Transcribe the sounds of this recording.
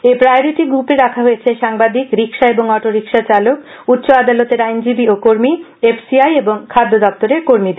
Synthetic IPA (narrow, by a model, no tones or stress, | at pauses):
epɾaeɾiʈiɡɾupeɾakʰaɦojet͡ɕʰeʃaŋbad̪ikɾikʃaeboŋɔʈoɾikʃat͡ɕalok | ut̪ːɕoad̪alot̪eɾajnd͡ʑibiokoɾmi | epsiajeboŋkʰad̪ʱːod̪ɔp̚t̪oɾeɾkoɾmid̪eɾ